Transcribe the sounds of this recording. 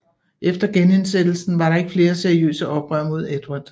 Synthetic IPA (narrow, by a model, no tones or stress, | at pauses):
ʔefd̥ɐɡ̥ene̝nsed̥l̩sn̩ʋɑ̈ɾɑ̈e̝ɡ̥əfle̝ːɐse̝ɐiø̰ːsəʔɒ̽b̥ʁɶ̰ɐ̰mo̝ð̞̰ˠed̥ʋad̥